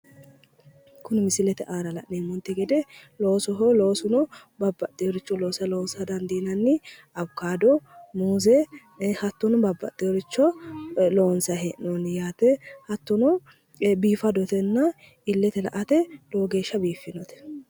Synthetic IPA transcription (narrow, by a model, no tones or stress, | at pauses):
kʊnmɪsɪlɛt̪ɛ̰ʔaːɾɐlɐ̰ʔneːmɔnt̪ːɛɡɛd̪ɛloːsɔɦoloːsʊnɔbɐbːɐt̪ʼːɪjɔɾɪt͡ʃːɔloːsɐloːnsɐd̪ɐnd̪iːnɐnːɪ | ɐbkaːd̪ɔmuːzɛ | hɐt̪ːʊnʊbɐbːɐ̰t̪ʼːɪjɔɾɪt͡ʃːɔloːnsɐɦɛʔnɔnjaːt̪ɛhɐt̪ːʊnɔ | biːfɐd̪ɔt̪ɛnːɐ | ɪlːɛt̪ɛlɐ̰ʔɐt̪ɛd̪̥oːɡe̞ːʃːɐbiːfːɪnɔt̪ɛ̥